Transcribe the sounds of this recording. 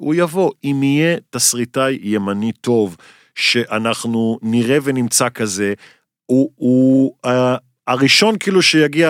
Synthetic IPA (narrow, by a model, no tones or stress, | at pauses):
ujavo̞imije̞t̪asʁitajːe̞manito̞v | ʃe̞ʔanaχnuniʁe̞venimt͡sakaze̞ | uua | aʁiʃo̞nkiiːluʃejaɡia